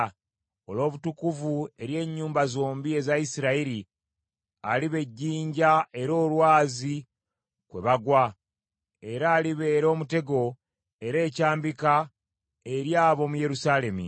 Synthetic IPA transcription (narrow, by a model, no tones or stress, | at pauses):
o̞lo̞ːβutukuvue̞ɾje̞ːɲːuːmbazo̞ːmbie̞zaisiɾaiɾi | aliβe̞ɟːiːɲɟae̞ɾo̞ːlwaːzi | kwe̞βaɡwa | e̞ɾaːliβe̞ːɾo̞ːmute̞ɡo̞ | e̞ɾe̞ːcaːmbika | e̞ɾjaːβo̞muje̞ɾusale̞mṵ